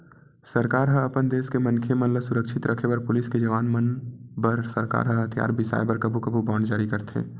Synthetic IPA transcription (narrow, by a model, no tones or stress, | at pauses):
səɾkaːɾɦəəpənd̪eːskemənkʰemənləsʊɾəkʃʰɪt̪ɾʔəkʰepɐɾpʊlɪsked͡ʒɐʋaːnmənbəɾsəɾka̰ːɾɦəɦət̪ʰja̰ːɾbɪsa̰ːjbəɾkəbʱukəbʱubaːɳɖd͡ʒaːɾikəɾt̪ḛ̃ː